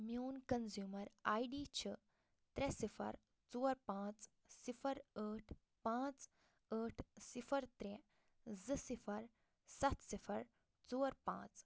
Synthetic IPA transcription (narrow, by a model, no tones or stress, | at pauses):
mjuːnkɐnzjuːmɐɾaːjɖiːt͡ʃʰə | t̪ɾɛsifʰɐ̰ɾ | t͡soːɾpãːt͡s | sifʰɐɾəːʈʰ | pãːt͡s | əːʈʰsifʰɐɾt̪ɾɛ | zɨsifʰɐɾ | sɐt̪sifʰɐɾ | t͡soːɾpã̰ːt͡s